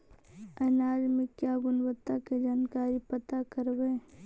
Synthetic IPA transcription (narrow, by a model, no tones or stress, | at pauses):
ənaːɾmɪkːjaɡʊnwət̪ːaked͡ʒaːnkaːɾipət̪akəɾbe